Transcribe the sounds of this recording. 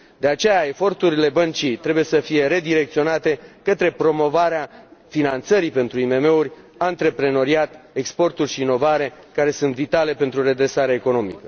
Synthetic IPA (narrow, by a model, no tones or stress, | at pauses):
d̪e̞at͡ʃe̞jae̞fo̞rt̪uɾile̞bənt͡ʃijt̪ɾe̞buje̞səfije̞ɾe̞d̪iɾe̞kt̪sio̞nat̪e̞kət̪ɾe̞pɾo̞mo̞vaɾeafinant̪səɾipe̞nt̪ɾuime̞me̞urʲ | ant̪ɾe̞pɾe̞no̞ɾiat̪ekspo̞rt̪urʲʃiːno̞vaɾe̞kaɾe̞sunt̪vit̪ale̞pe̞nt̪ɾuɾe̞d̪ɾe̞saɾeaeko̞no̞mḭkə